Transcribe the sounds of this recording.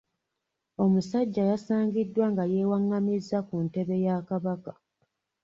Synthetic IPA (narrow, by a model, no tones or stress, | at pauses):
o̞musaɟːajasaːŋɡidːwaŋɡaje̞ːwaŋːamizːakunte̞βe̞jakaβaka